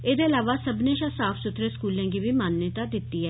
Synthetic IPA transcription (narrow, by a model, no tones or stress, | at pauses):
eːd̪eːɪlaːʋaːsəbneːʃãːsaːpʰsʊt̪ɾeːskuːlɛ̃ːɡiːbiːmaːnjət̪aːd̪ɪt̪ːiːɦɛː